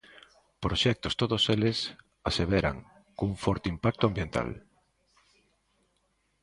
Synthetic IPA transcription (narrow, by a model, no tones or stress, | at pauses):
pɾoʃɛk̚t̪ost̪oðoselɪs | aseβeɾa̰ŋ | kuŋfɔɾt̪eimpak̚t̪ʊambjent̪a̰l